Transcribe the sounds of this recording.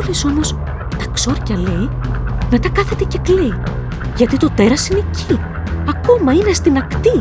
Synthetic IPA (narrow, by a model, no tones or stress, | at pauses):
liso̞mo̞s | t̪ɐkso̞ɾcɐle̞jme̞t̪ɐkɐθe̞t̪e̞ce̞kle̞i | ʝɐt̪it̪o̞t̪e̞ɾɐsinecʰi | ɐko̞mɐine̞st̪inɐkt̪i